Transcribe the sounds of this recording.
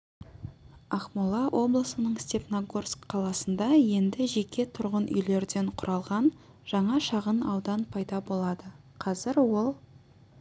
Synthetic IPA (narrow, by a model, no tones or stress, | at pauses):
ɑχmulˠɑwʔo̞blˠəsənəɴst̪e̞pnoɡorskqʰːɑlˠɑsənd̪ɑje̞nd̪ɪʒe̞kʲʰe̞t̪ʰʊɾʁənʔʏ̰jle̞ɾd̪e̞ɴqʰʊɾʔɑlˠʁɑn | ʒ̥ɑɴɑʃɑʁənɑwd̪ɑnpʰɑjd̪ɑbo̞lˠɑd̪ə | qʰɑzɪɾwo̞lˠ